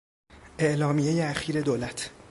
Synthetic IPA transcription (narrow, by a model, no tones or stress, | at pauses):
ʔe̞ʔlɒːmijejeæxiːɾe̞d̪oːlæt̪ʰ